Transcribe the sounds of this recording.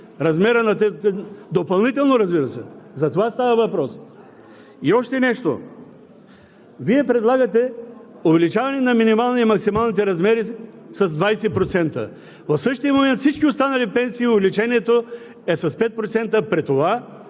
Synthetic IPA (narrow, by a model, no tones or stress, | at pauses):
ɾɐzmɛɾənɐt̪ɛd̪opɐlˠnit̪ɛlˠnoɾɐzbiɾɐsɛzɐt̪ovast̪avɐvɐpɾɔs | iɔʃt̪ɛnɛʃt̪o̰ | viɛpɾɛd̪lˠaɡɐt̪ɛ | ʊvɛlit͡ʃavɐnɛnɐminimalˠniimɐksimalˠnit̪̬ɛɾɐzmɛɾi | sɐzd̪vajsɛpɾot̪sɛnt̪ə̰ | vɐfsɤʃt̪ijəmomɛnt̪fsit͡ʃkʲiost̪anɐlipɛnsiːʊvɛlit͡ʃɛniɛt̪o | ɛsɐspɛt̪̚pɾot̪sɛnt̪əpɾit̪ova